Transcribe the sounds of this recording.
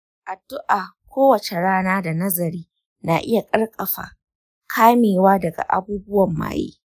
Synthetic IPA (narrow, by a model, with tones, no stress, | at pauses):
ʔa˨dʊ˦ʔaː˨kʷʰoː˦wɐ˨t͡ʃe˨ɽaː˦naː˦da˨nɐ˦zɐ˨ɾiː˦ | naː˨ʔɪ˦ja˨kʼɐ˦ɽkʼɐ˨ɸa̰ː˨ | kʰaː˦meː˨waː˦dɐ˨ɡa̰˨ʔa̰˨buː˦bʊ˦wɐ˨mːa̰ː˨jḭː˦